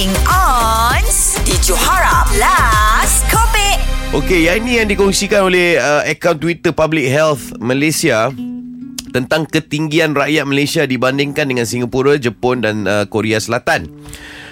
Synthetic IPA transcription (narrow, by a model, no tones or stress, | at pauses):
ŋɔns | did͡ʒohaɹamlaskʰɔbɪʔ̚ʔokejainĩjaŋdikɔŋsikanolehəəkawnt̪wit̪əpablɪk̚ɦɛlθməlesia | t̪ənt̪aŋkət̪iŋɡianraʔjat̪̚məlasiadibandɪŋkandəŋãnsiŋapuɾad͡ʒəpɔndanəkoɾeasəlat̪an